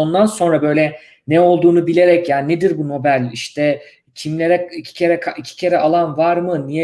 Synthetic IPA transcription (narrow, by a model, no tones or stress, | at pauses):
o̞nd̪anso̞nɾabø̞jlʲɛ | nɛo̞lˠd̪uːnubilʲe̞ɾɛcjaːnined̪iɾbuno̞bælʲiʃt̪ʰɛ | cʰimlʲe̞ɾɛicʰi̥cʰe̞ɾɛkʰaicʰi̥cʰe̞ɾɛalˠanvaɾmɯnijɛ